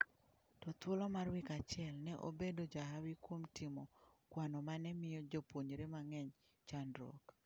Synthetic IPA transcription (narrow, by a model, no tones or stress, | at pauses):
tɔt̪wolɔmarwikat͡ʃɪɛlnɛʔo̰bedod͡ʒaɦawikwomtimokwanɔmanɛmɪjɔd͡ʒopwoɲɾemaŋɛɲ | t͡ʃandɾo̰k